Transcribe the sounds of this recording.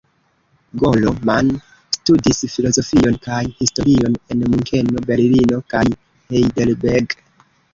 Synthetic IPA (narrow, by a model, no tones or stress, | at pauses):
ɡo̞lo̞man | studisfilo̞zo̞fio̞nkajhisto̞ɾio̞ne̞nmuŋkʰe̞no̞belilino̞kaj | hejdelbeɾɡ